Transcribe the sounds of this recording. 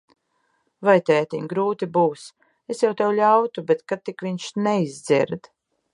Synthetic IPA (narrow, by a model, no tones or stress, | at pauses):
vajt̪ɛjɛt̪iɲɡɾuːt̪ibuːs | esjawt̪ɛwʎʲawt̪ubet̪kat̪̚ːikviɲʃnɛizd̪zḭɾd̪